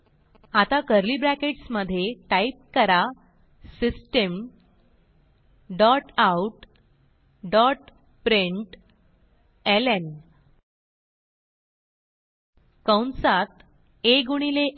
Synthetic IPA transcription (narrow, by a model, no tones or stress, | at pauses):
at̪akəɾlibɾækeʈsməd̪ʱːjeʈaip̚kəɾa | sisʈem | ɖɔʈauʈ | ɖɔʈ | pɾeɳʈ | elen | kəwɳsat̪ | eɡuɽ̃ile